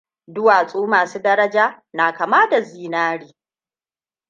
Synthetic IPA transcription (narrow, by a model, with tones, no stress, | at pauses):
dʊ˦waː˨sʼoː˦maː˨suː˦dɐ˦ɾɐ˦d͡ʒaː˦ | naː˨kaː˨maː˦da˨ziː˨naː˦ɽiː˨